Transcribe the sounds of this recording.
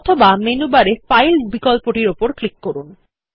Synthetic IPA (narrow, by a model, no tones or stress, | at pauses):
ɔt̪ʰobamenubaɾefajlbikɔlpoʈiɾopoɾklikːoɾun